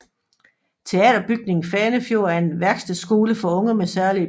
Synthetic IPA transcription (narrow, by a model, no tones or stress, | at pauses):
t͡sʰe̝ɛ̰ːd̥ɐb̥yɡ̥̚ne̝ŋn̩fɛːnəfjo̝ɐ̰æɐe̝nʋæɐɡ̥sd̥esɡ̥o̝ːləfɒ̽ɔ̽ŋɐmesæɐliə